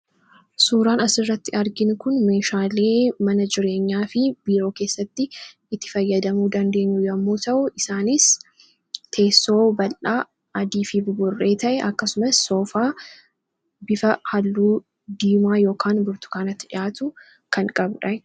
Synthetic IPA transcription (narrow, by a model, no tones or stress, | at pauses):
suːɾaːnɐsɪrːɐt̪ːɪɐɾɡɪnkʊnme̞ːʃaːle̞ːmɐnɐd͡ʒɪɾe̞ːɲːaːfɪbiːɾo̞ːkeːsːɐt̪ːɪ | ɪt̪ːɪ̥fɐjːɐd̪ɐmuːd̪ɐnd̪e̞ːɲːʊjɐmːoːt̪ɐʔʊɪsaːnɪs | t̪ʰe̞ːsːo̞ːbɐlʔaː | ʔɐd̪iːfɪbbʊrːe̞ːt̪ɐʔɛʔɐkːɐsʊmɐsːo̞ːfaː | bɪfɐhɐlːuː | d̪iːmaːjo̞ːkʰaːnbʊɾt̪ʊ̥kaːnɐt̪ːɪᶑɪjaːt̪ʊ | kɐŋkʼɐbᶑɐ